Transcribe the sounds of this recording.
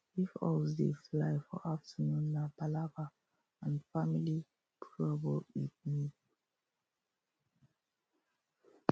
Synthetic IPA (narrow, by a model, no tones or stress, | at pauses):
ifɔ̰lzdḛslaɪfɔ̰ʔaftənũnːabalavə | ãnfamili | pʰɹuabɔlwitmi